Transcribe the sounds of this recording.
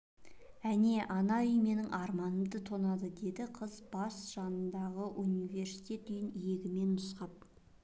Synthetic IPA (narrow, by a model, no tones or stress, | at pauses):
æne̞ʔɑnɑʏjme̞nɪŋʔɑɾmɑnəmd̪ət̪ʰo̞nɑd̪əd̪e̞d̪ɪqʰəzbɑsʒ̥ɑnənd̪ɑʁəʔunijvʲe̞ɾsi̥t̪e̞t̪̚d̪ejɪnje̞ɡʲɪme̞nːʊsqɑp̚